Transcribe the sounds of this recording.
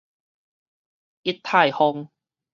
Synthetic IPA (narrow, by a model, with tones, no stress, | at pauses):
i˦˥t̚t̪ʰa˥˧˩jhɔ˧ŋ